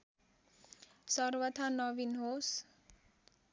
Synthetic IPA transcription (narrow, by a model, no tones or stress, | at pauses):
sʌrwʌt̪ʰanʌbinɦos